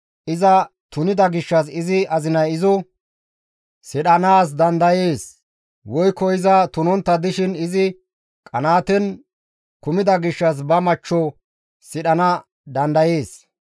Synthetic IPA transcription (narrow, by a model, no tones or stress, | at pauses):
ʔɪzɐ | t̪ʊnɪd̪ɐɡɪʃːɐsɪzɪɐzɪnɐjɪzɔ | sɪɗɐnaːs̬d̪ɐnd̪ɐjeːs | wɔjkːɔɪzɐt̪ʊnɔnt̪ːɐd̪ɪʃɪnɪzɪ | kʼɐnaːt̪ɛn | kʊmɪd̪ɐɡɪʃːɐs̬bɐmɐt͡ʃːɔ | sɪɗɐnɐ | d̪ɐnd̪ɐje̞ːs